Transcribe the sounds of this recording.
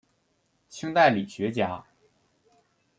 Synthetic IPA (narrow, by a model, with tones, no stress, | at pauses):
t͡ɕʰi˥ŋt̪a˥˩ɪli˨˩ɕɥɛ˧˥t͡ɕja˨˩˥